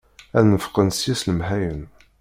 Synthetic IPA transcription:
ænəfqənsjisləmɦæjən

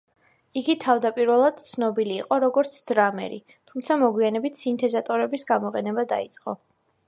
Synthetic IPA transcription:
iɡit̪ʰavd̪apʼiɾvɛlˠad̪̥̚t̪sʰnɔbiliːqʼɔɾɔɡɔɾt̪sʰd̪ɾamɛ̰ɾḭ | t̪ʰumt̪sʰamɔɡwianɛbit̪ʰsint̪ʰɛzat̪ʼɔɾɛbisɡamɔqʼɛnɛbad̪a̰it̪sʼqʼɔ̰

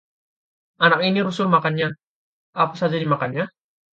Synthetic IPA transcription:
ʔanak̚iniɾusʊlmakanɲa | apasad͡ʒadimakanɲa

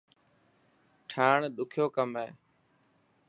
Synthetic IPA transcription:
ʈʰaːɳɗʊkʰjoːkəmeː

